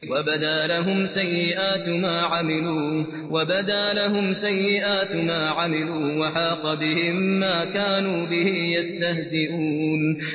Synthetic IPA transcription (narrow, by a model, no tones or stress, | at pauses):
wabad̪aːlaɦʊmsajːɪʔaːt̪maːʕamɪluː | wabad̪aːlaɦʊmsajːɪʔaːt̪maːʕamɪluːwaħɑːqɑbɪhɪmːaːkaːnuːbɪhɪjast̪ahzɪʔuːn